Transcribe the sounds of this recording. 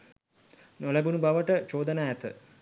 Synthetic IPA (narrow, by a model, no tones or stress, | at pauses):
nolæbunubaʋəʈət͡ʃoːd̪ənaːæt̪ə̰